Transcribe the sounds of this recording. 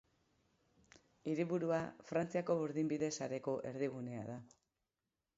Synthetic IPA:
iɾiβuɾuafɾant͡siako̞βuɾðimbiðe̞saɾe̞ko̞ʔe̞̰ɾðiɣ̞une̞a̰ða

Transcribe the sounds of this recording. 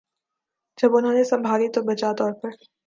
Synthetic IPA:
d͡ʒɐbʊnɦõːnesɐ̃mbʱaːlit̪obɐt͡ʃat̪ɔːɾpɐɾ

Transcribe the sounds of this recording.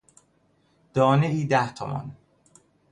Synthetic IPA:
d̪̥ɒːneʔiːd̪æht̪ʰomɒ̰n

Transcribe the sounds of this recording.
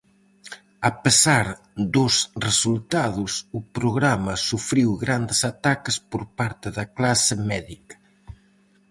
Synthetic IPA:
ɐpesaɾ | d̪ʊsresult̪aðʊsʊpɾoɣɾamɐsufɾiwɣɾand̪esat̪akespoɾpaɾt̪ɪðɐklasɪmɛðikɐ̥

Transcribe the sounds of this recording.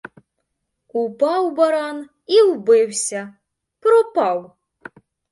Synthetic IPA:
upɑwbɐɾɑn | iwbɪwsʲɐ | pɾɔpɑw

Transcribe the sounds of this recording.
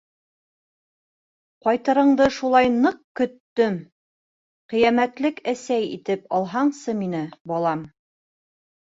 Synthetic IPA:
qɒjt̪ɤ̆ɾɤ̆ɴd̪ɤʃulˠɑjnɤq̚kɵ̆t̪ːɵm | qĭjæmæt̪lɘkæsæjḭt̪ɘpɑlˠɦɑɴsɤminɘbɑlˠɑm

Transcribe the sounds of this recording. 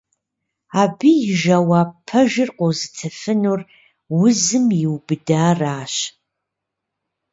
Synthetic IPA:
aːbiːjɪʒawaːpʰɐʒɪrqʷowzɨtʰɐfɨnuːr | wʊzɨmjɪwbɨdaːraːɕ

